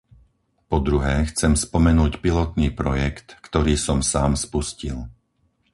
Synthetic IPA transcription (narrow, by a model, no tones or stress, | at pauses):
pɔd̪ɾuɦɛːxt͡sɛmspɔmɛnuːcpilɔt̪niːpɾɔjɛkt̪kt̪ɔɾiːsɔmsaːmspuscil